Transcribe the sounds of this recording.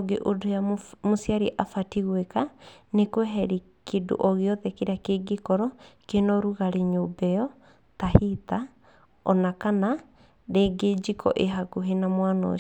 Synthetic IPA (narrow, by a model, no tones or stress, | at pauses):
ɡeʔodojamosjaɾiʔafatiɣwekanekwɛɦɛɾi | kedo̰ʔɔɣeɔðɛkeɾakeɡekɔɾɔkenɔɾuɣaɾeɲobɛɔ | tahita | ɔnakana | ɾeːɡed͡ʒikʰɔ̰ʔeɦakuɦenamwanɔ̰